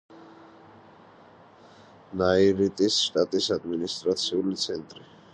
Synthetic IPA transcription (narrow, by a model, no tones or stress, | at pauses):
naiɾit̪ʼisʃt̪ʼat̪ʼisad̪minist̪ʼɾat̪sʰiulit̪sʰɛnt̪ʼɾi